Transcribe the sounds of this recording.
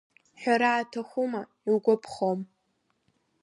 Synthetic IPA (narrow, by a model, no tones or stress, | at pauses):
ħʷᶣaɾaːtʰaχʷʊma | iwɡʷʊpʰχom